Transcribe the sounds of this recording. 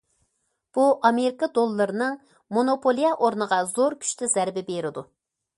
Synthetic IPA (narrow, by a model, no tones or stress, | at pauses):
b̥uʔɑmeɾɪkɑd̪olˠːɨɾɨnɨŋ | monopʰolˠijɑʔoɾnəʁɑzoɾkʲʰy̥ʃt̪ʰɪz̥æɾbɪbeɾɪd̪u